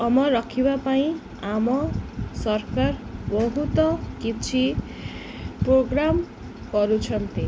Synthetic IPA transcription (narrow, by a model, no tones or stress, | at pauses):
ʌmʌɾʌkʰibapaĩ | amʌsʌrkarbʌɦut̪ʌkit͡sʰi | proɡɾam | kʌɾut͡sʰʌnt̪i